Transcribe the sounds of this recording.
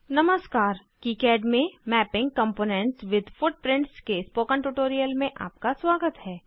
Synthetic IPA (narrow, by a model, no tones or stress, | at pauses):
nɐməskaːɾ | kiːkɛːɖmẽmɛːpɪ̃ŋɡ̚kɐ̃mpoːnɛ̃ɳʈsʋɪd̪ʱfʊʈ̚pɾɪ̃ɳʈskespoːkə̃ɳʈuʈoːɾijəlmẽʔa̰ːp̚kaswaːɡət̪ɦɛː